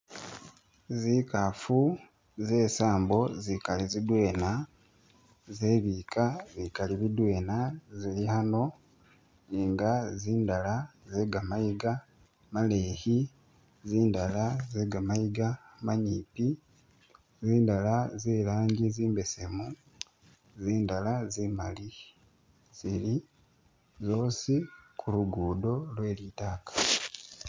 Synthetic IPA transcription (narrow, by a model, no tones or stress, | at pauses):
zikafu | zeːsaːmbo̞zikalizidwe̞ːna | zeβikazikaliβidwe̞ːnazilihano̞ | iŋɡaziːndalazeːɡamajiɡa | male̞hi | ziːndalazeɡamajiɡamaɲiːpi | ziːndalaziːlaːɲɟiziːmbe̞se̞mu | ziːndalazimali | z̥ili | zo̞ːsikʰuluɡuːdo̞lweːlitaːkḁ